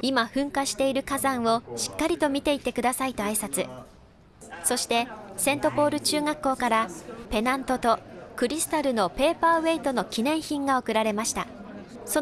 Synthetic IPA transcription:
imaɸɯ̟̃ŋkaɕi̥t̪e̞iɾɯ̟kazãɰ̃o̞ɕi̥kːaɾʲit̪o̞mʲit̪e̞it̪ːe̞kɯ̟d̪asait̪o̞aisat͡sɨ | so̞ɕi̥t̪e̞sẽ̞nt̪o̞po̞ːɾɯ̟t͡ɕɨːŋakːo̞ːkaɾape̞nãnt̪o̞t̪o̞kɯ̟ɾʲisɨ̥t̪aɾɯ̟no̞pe̞ːpaːβe̞it̪o̞no̞kʲinẽ̞ɰ̃çĩŋɡao̞kɯ̟ɾaɾe̞maɕi̥t̪a | so

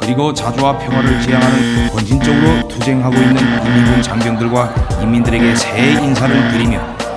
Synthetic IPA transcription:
kɯɾiɡot͡ɕad͡ʑuwapʰjʌŋɦwaɾɯɭt͡ɕijaŋɦanɯnkwʌnɕʰint͡ɕ͈ʌɡɯɾotud͡ʑe̞ŋɦaɡoinːɯnimːinɡoŋt͡ɕaŋɡjʌŋdɯɭɡwaimːindɯɾe̞ɡe̞seinsʰaɾɯɭtɯɾimjʌ̰

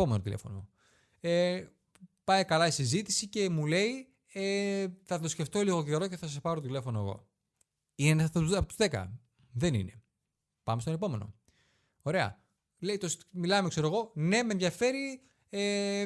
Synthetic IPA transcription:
ome̞no̞t̪ile̞̰fo̞no | e | pɐjkɐlɐisizit̪isice̞mule̞i | eθɐt̪o̞sce̞ft̪o̞liɣo̞ce̞ɾo̞ceθɐs̬ɐspɐɾoot̪ile̞fo̞noeɣo̞̰ | inenɐɐpot̪uzðekɐ̰ | ðe̞nḭne̞ | pɐmest̪one̞po̞me̞no̞̰ | o̞ɾe̞ɐ̰ | leit̪osmilɐmekse̞ɾoɣo̞ne̞me̞nðʝɐfe̞ɾi | e

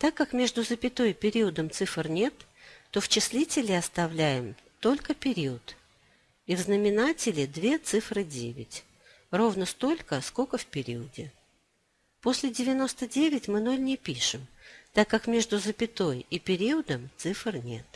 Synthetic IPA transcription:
t̪akːakmʲe̞ʐd̪ʊzəpʲɪt̪o̞jpʲɪɾʲiəd̪əmt̪sɨfrnʲe̞t̪ːo̞ft͡ɕɪsʲlʲitʲɪlʲɪɐst̪ɐvlʲæjɪmt̪o̞lʲkəpʲɪɾʲiət̪ | ivznəmʲɪnatʲɪlʲɪd̪vʲe̞t̪sɨfɾɨdʲḛvʲɪ̰tʲ | ro̞vnəst̪o̞lʲkəsko̞kəfpʲɪɾʲiədʲɪ | po̞sʲlʲɪdʲɪvʲɪno̞st̪ədʲevʲɪtʲmɨno̞lʲnʲɪpʲiʂɨmt̪akːakmʲe̞ʐd̪ʊzəpʲɪt̪o̞jipʲɪɾʲiəd̪əmt̪sɨfrnʲe̞̰t̪

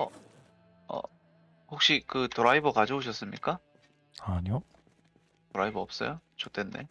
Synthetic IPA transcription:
ʌ | ʌ̰ | hok̚ɕ͈ikɯtoɾaibʌkad͡ʑʌuɕ̬ʰʌs͈ɯmɲik͈a | aɲo | toɾaibʌʌp̚s͈ʌ̰jot͡ɕot͈ʰenːe̞̰

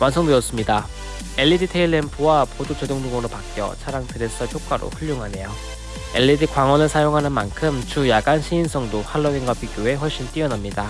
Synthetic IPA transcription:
wansʰoŋmɯjʌs͈ɯmɲida | e̞ʎːiditʰeiɭːempʰuwapodot͡ɕedoŋdoŋoɾopak͈jʌ̰t͡ɕʰaɾaŋpʰeɾes͈ʌpʰjok̚k͈waɾo̰ɸuɭʎːoŋɦane̞jo | e̞̰ʎːidikwaŋwʌnɯɭsʰajoŋɦanɯnmankʰɯmt͡ɕujaɡanɕʰiːns͈ʰʌŋdoɸaɭːʌɡinɡwapiɡjoe̞ɸwʌɭɕ͈int͈iʌnamɲida

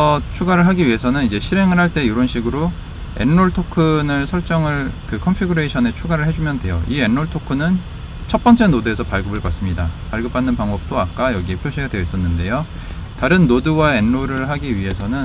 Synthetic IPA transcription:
ʌt͡ɕʰuɡaɾɯɭɦaɡiɥiɦe̞sʰʌnɯnid͡ʑe̞ɕʰiɾe̞ŋɯɭɦaɭt͈e̞juɾʌnɕʰiɡɯɾo | e̞̰nːoɭtʰokʰɯnɯɭsʰʌɭt͡ɕ͈ʌŋɯɭkɯkʰʌmpʰiɡuɾeɕʰʌne̞t͡ɕʰuɡaɾɯɭɦe̞d͡ʑumjʌndwe̞̰jo̰ʔie̞nːoɭtʰokʰɯnɯn | t͡ɕʰʌt̚p͈ʌnt͡ɕ͈e̞nodue̞sʰʌpaɭɡɯbɯɭpas͈ɯmɲida̰paɭɡɯp͈anːɯnpaŋbʌp̚t͈oak̚k͈ajʌɡie̞pʰjoɕʰiɡadweʌis͈ʌnːɯnde̞jo | taɾɯnːoduwae̞nːoɾɯɭɦaɡiɥiɦe̞sʰʌnɯn

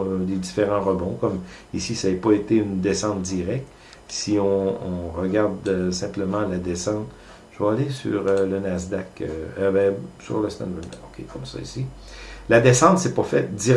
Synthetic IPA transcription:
led̪ifeʁɑ̃ʁəbɔ̃kɔmisisaɛpɔet̪eynd̪esɑ̃t̪̚d̪iʁɛk̚t̪ | siɔ̃ɔ̃ʁəɡʲaʁd̪sɛ̃pləmɑ̃lad̪esɑ̃t̪ | ʒ̥əvaːlesy̰ʁølənazd̪akø̰øbɛ̃sy̰ʁləst̪ɛ̰nvɛɛ̰okʲʰḛkɔmsɔ̰ḭsi | lad̪esɑ̃t̪sɛpɔfɛt̪̚d̪iʁ

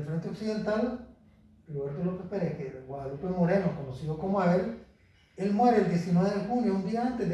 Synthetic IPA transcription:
lfɾe̞nt̪eoksiðe̞nt̪al | loβeɾt̪olokespeɾekeɣwaðalupemoɾenokonosiðokomoael | elmweɾeːld̪je̞sinweβeðexunjound̪iaant̪ed̪

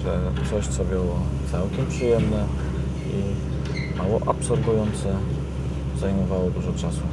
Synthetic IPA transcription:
ʐɛt̪sɔɕt̪sɔbʲjɔwɔt̪sawkʲɛmpʂɨjɛmnɛ | i | mawɔʔapsɔɾɡujɔnt̪sɛ | zajmɔvawɔd̪uʐɔt͡ʂasu

